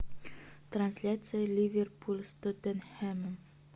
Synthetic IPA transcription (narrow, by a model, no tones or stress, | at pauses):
t̪ɾanʲsʲlʲat̪sɨjəlʲivʲerpʰulʲˠst̪ot̪ɛnhɛməm